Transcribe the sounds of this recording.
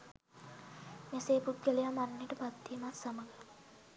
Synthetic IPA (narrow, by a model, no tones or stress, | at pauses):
neseːput̪̚ɡəlijamanːeʈəpad̪ːiːmat̪saməɡə